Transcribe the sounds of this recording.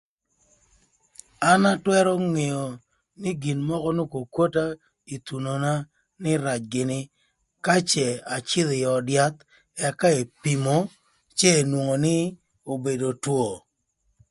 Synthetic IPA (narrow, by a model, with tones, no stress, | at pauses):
a˦na˦twɛ˦ɾɔ˦ŋe˨o˨ | nɪ˦ɡi˨nmɔ˦kɔ˦no˦ko˨kwo˦ta˦ | i˨t̪u˨no˨na˦ | nɪ˦ɾa˨t͡ʃɡɪ˨nɪ˦ | ka˦t͡ʃɛ˨a˨t͡ʃɪ˦ðɪ˨jɔ˨dja˦t̪ | ɛ˨ka˦e˨pi˨mo˨˦ | t͡ʃeː˦˨nwo˨ŋo˨nɪ˦ | o˨be˨do˨two˨